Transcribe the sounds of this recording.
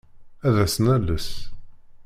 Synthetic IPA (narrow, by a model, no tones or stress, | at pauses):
æðæsnæləs